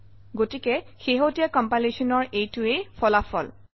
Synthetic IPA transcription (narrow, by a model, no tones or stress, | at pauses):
ɡotikɛxeɦotijakɔmpalesɔnɔɹejtuejpʰɔlafʰɔ̰l